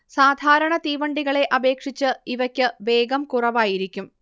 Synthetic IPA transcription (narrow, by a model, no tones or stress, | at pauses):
saːd̪ʱaːɾɐɳɐt̪iːʋɐɳɖiɣɐɭe̞ʔɐbe̞ːkʂit͡ɕːɨiʋɐkʲːɨʋe̞ːɡɐmkurɐʋaːjiɾikʲːum